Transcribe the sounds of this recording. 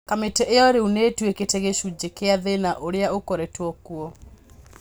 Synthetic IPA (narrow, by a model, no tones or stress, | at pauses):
kametɛʔeɔɾeunetweketeɣeʃud͡ʒekeaðenaʔoɾeaokoɾetwɔkuɔ